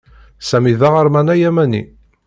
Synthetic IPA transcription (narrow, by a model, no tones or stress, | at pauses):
sæmiðaʁəɾmænæjæmænḭ